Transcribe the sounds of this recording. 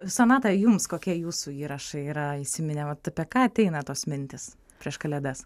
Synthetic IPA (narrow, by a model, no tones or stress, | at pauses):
sɐnɑːt̪ɐjʊmskoːkʲiɛjuːsuiːɾɐʃɐɪiːɾɐisʲɪmʲɪnʲɛʋɐt̪ɐpʲɛkɑːɐt̪ʲɛɪnɐt̪oːsmʲɪnʲt̪ʲɪs | pʲɾʲiɛʃkɐlʲɛd̪ɐs